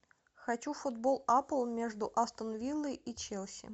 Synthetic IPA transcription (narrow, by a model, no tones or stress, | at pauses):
xɐt͡ɕufʊd̪bolˠapəlˠmʲeʐd̪ʊʔast̪ənvʲilˠːəjit͡ɕelˠsʲɪ̰